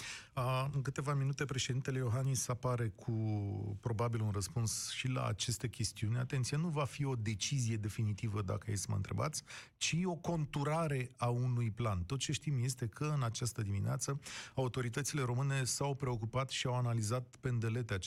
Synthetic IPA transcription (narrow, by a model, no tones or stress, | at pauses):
əɨŋkɨt̪e̞vaminut̪e̞pɾe̞ʃe̞d̪int̪ele̞jo̞ɦanisapaɾe̞kʰupɾo̞babilunrəspunsʃila̰ːt͡ʃe̞st̪e̞kʲe̞st̪iunʲat̪ent̪sijenuvafio̞d̪e̞t͡ʃizije̞d̪e̞finit̪ivəd̪a̰kəjesmə̰nt̪ɾe̞̰ba̰t̪sʲ | t͡ʃio̞ko̞nt̪uɾaɾe̞aunujplant̪o̞t̪̚t͡ʃe̞ʃt̪imje̞st̪e̞kʰəɨnat͡ʃast̪əd̪imineat̪səaut̪o̞ɾit̪ət̪sile̞ɾo̞mɨne̞sawpɾe̞o̞k̬upat̪ʃiawanalizat̪̚pend̪e̞let̪ea